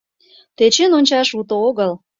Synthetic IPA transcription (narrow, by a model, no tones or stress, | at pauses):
t̪et͡ɕenonʲt͡ɕɑʃut̪ooɣəl